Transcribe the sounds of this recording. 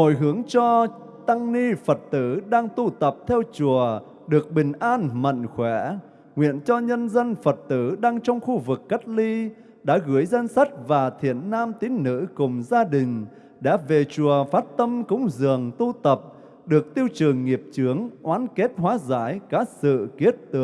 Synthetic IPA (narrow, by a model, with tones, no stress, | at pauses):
ho̰˧˨jɦɨ˨˦əŋt͡ɕɔ˧ | t̪a˧ŋni˧fə˨˩t̚t̪ɨ̰˧˥ɗaː˧ŋt̪u˧t̪ə˨˩p̚t̪ʰɛ˧wt͡ɕu˨˩ə | ɗɨ˨˩ək̚ɓï˨˩ŋ̟ʔaː˧nmə̰˧˨nxwɛ˧˩ | ŋwḭ˧˨ənt͡ɕɔ˧ɲə˧nzə˧nfə˨˩t̚t̪ɨ̰˧˥ɗaː˧ŋt͡ɕɔ˧wŋ͡mxu˧vɨ˨˩kːə˦˥k̚li˧ | ɗa̰ː˧˥ɣɨ˧˩əjzə˧nsa˦˥k̟̚vaː˨˩t̪ʰḭ˧˨ənːaː˧mt̪i˨˦ŋ̟nɨ̰˧˥kʊ˨˩ŋ͡mzaː˧ɗï˨˩ŋ̟ | ɗa̰ː˧˥ve˨˩t͡ɕu˨˩əfaː˦˥t̚t̪ə˧mkʊ̰˧˥ŋ͡mzɨ˨˩əŋt̪u˧t̪ə˨˩p̚ | ɗɨ˨˩ək̚t̪i˧əwt͡ɕɨ˨˩əŋːi˨˩əp̚t͡ɕɨ˨˦əŋʔwaː˨˦nke˦˥t̚ɦwaː˨˦zaː˧˥jkaː˨˦˥sɨ̰˧˨ki˦˥ət̚t̪ː